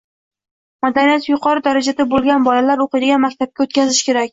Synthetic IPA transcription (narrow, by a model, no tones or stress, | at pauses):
mad̪anijat̪jʊqʰɒɾɪd̪aɾad͡ʒad̪abolˠɡʲanbɒlalaɾoqɨd̪ɪɡʲanmakʲt̪ʰap̚kʲaot̪kʲʰazɪʃkʲʰe̞ɾakʲ